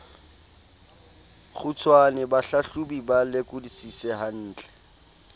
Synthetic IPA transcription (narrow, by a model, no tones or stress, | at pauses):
χʊt͡sʰwanɪbaɬaɬubibalɪkʊdisisɛhan̩ːt͡ɬʼɛ̥